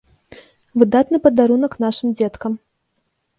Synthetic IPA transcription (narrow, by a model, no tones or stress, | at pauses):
vɨd̪at̪nɨpɐd̪aɾunɐknaʂɨmd͡zʲɛt̪kɐm